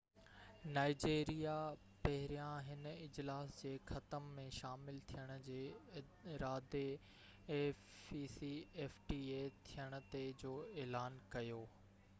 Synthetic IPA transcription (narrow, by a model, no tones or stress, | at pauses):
naːɪd͡ʑeːɾija | pɐɦɪɾijãɦɪnəɪd͡ʑlaːsd͡ʑeːxɐt̪əmːẽʃaːmɪlt̪ʰijəɽ̃̆d͡ʑeː | ɪɾaːd̪eː | iːsieːfʈiːet̪ʰijəɽ̃̆t̪ed͡ʑoːeːlaːnkɐjoː